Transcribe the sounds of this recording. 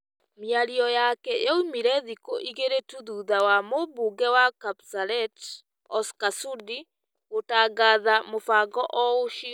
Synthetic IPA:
mjaɾiɔjakɛɔumiɾɛðikoʔiɣeɾetuðuðawamobuːɡɛwakapsaɾɛt | ɔskasudi | ɣotaːɡaːðamofaːɡɔʔɔoʃi

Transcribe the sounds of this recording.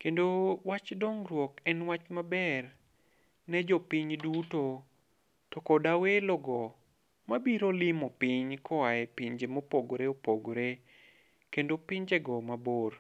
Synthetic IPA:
kendowat͡ʃdoŋɾwɔkɛnwat͡ʃmabɛr | nɛd͡ʒɔpiɲduto | tɔkɔdawelɔɡɔ | mabiɾolɪmɔpɪɲkɔwajɛpiɲd͡ʒemopoɡɾeopoɡɾe | kendopɪɲd͡ʒɛɡɔmabor

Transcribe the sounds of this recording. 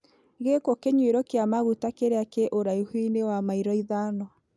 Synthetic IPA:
ɣekɔkeɲweɾɔkeamaɣutakeɾeakeʔoɾaihwinewamaiɾɔiðanɔ

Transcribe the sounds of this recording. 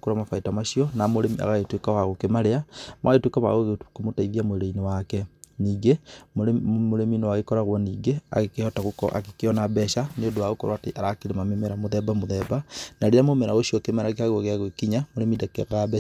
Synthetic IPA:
kuɾamafaitamaʃiɔnamoɾemia̰ɣaetwekawaɣokemaɾeamaɣaetwekaβa̰ɣoɣekomotaiðiamoeɾeinewakɛniːɡemmoɾeminowaɣekɔɾaɣwɔniːɡea̰ɣekeɔtaɣokɔ̰ʔa̰kekeɔnabɛʃaneodoaɣokoɾwateʔaɾakeɾemamemeɾamoðɛbamoðɛbanaɾeɾamomeɾaɣoʃiɔkemaɾakeaɣwɔɣeaɣwekiɲamoɾemidakeɣabɛ

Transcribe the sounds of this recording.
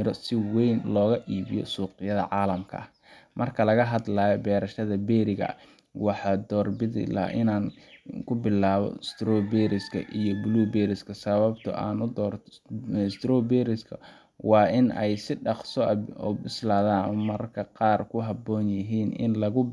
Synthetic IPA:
ɪɾɔsɪwɛjnlɔːɣɐʔiːβɪjɔ̰suːqɪjɐðɐ̰ʕɑːlɐmkʰɐ̰ɐ | mʔɐrkʰɐlɐɣɐɦɐd̪laːjɔbɛːɾɐʃɐðɐbɛːɾɪɣɐ̰ | wɑħɑːd̪ɔːrbɪðɪ̰la̰ʔɪnaːnkʰʊbɪlaːβɔ̰ɪst̪ɾɔːbɛɾɪskʰɐ̰ʔijɔbluːbɛːɾɪskʰɐsɐβɐb̚t̪ʰɔ̰ʔaːnʊd̪ɔːrʰ | st̪ɾɔːbɛɾɪskʰɐ̰ | wɑːɪnɛjsɪɖɑqsɔɔ̰bɪslaːðaːnʊmɐɾɐkʰɐqɑːrkʰʊɦɐbɔːnjɪɦiːnɪ̰nlɐɣʊ

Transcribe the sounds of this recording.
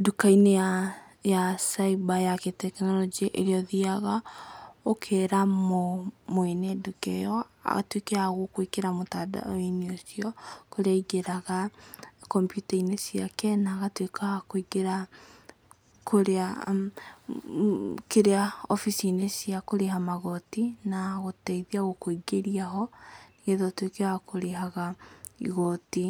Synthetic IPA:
dukaineja | jasaibajaketɛknɔlɔd͡ʒiaʔeɾeɔðiaɣa | okʰeɾamomoenedukɛ̰jɔa̰ɣa̰twekeaɣokwikeɾamotada̰oineosiɔkoɾeaiɡeɾaɣakɔmpjutainesiakɛnaːɣatwekaakoiɡeɾa | kʰoɾea | keɾeaɔfisinesiakoɾeɦamaɣɔtinaɣotɛiðiaɣokoiɡeɾiaɦɔneɣeðɔtwekeaakoɾeɦaɣaḭɣɔti

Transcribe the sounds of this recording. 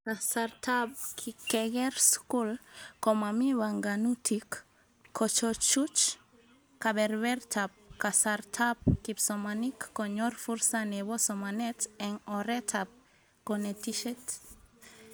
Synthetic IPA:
kasaɾtʰab̚kʰikɛɡɛɾskulkɔmamiβaŋɡanutʰikʰː | ɔt͡ʃɔt͡ʃut͡ʃ | kabɛɾwɛɾt̪ʰab̚kasaɾt̪ʰab̚kipsɔmanikːoɲɔɾfuɾsaneβosɔmanɛt̪ɛŋɔɾet̪ʰab̚ | kɔnet̪iʃɛt

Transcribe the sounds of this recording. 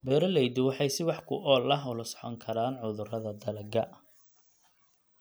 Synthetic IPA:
bɛːɾɐlɛjd̪ɪwɑħɑjsɪwɑħkʰʊʔɔːlɐɦʊlɐsɔ̥ħɔ̰ŋkʰɐɾaːnʕʊðʊrɐðɐd̪ɐlɐɡɐ

